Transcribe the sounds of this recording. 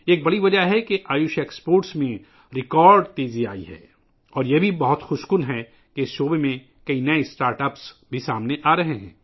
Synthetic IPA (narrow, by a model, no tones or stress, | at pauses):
eːk̚bɐɽiʋɐd͡ʒaɦɛkeʔaːjʊʃekspoːɾʈsmẽ | ɾɪkɔːɾɖt̪eːzia̰ːḭɦɛ̰ː | ɔːɾjebʱibɐɦʊt̪xʊʃkʊnɦɛ | keɪsʃoːbemẽ | kɐinɐesʈaːɾʈɐpsbʱisaːmneʔaːɾɐɦeɦɛ̰̃ː